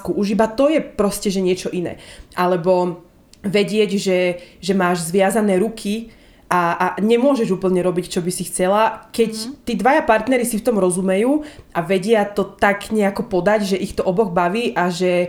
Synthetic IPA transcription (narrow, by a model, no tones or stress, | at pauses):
kuʔuʒibat̪ɔjɛpɾɔscɛʒɛɲɪɛt͡ʃɔʔinɛ̰ːʔalɛbɔ | ʋɛɟɪɛɟʒɛʒɛmaːʒzʋɪazanɛːɾukʰi | ʔaaɲɛmʊɔʒɛʒuːpl̩ɲɛɾɔbict͡ʃɔbisixt͡sɛlakɛct̪iːd̪ʋajapaɾt̪nɛɾisift̪ɔmɾɔzumɛjuːʔaʋɛɟɪat̪ɔt̪aɡɲɛakɔpɔd̪aɟʒɛʔixt̪ɔʔɔbɔɣbaʋiːʔaʒɛ